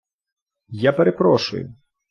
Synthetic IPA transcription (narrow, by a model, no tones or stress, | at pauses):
japeɾepɾɔʃʊ̰jʊ̰